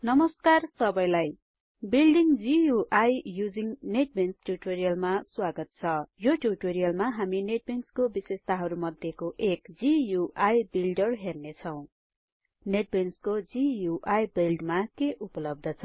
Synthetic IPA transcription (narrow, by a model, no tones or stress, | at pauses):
nʌmʌskarsʌbʌjlaj | bilɖiŋd͡zijuʔajjud͡ziŋneʈ̚bensʈjuʈoɾijʌlmaswaɡʌt̪̚t͡sʰʌjoʈuʈoɾijʌlmaɦamineʈ̚benskobisest̪aɦʌɾumʌd̪ʱjekoʔekd͡zijuʔajbilɖʌrɦernet͡sʰʌw̃ | neʈ̚benskod͡zijuʔajbilɖmakeʔupʌlʌb̚d̪ʌt͡sʰʌ